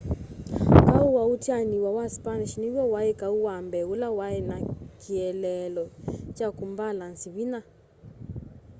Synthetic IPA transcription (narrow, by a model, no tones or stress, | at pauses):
kauwautjaniwawaspaniʃniwjɔwaɛkauwambɛulawaɛnakʰiɛlɛlɔt͡ʃakumbalansiβina